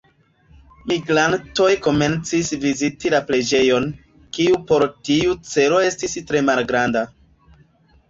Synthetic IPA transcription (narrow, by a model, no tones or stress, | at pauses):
miɡɾanto̞jko̞me̞nt͡sisvizitilapɾe̞d͡ʒe̞jo̞n | kiupo̞ɾtiut͡se̞lo̞e̞stistɾe̞malɡɾanda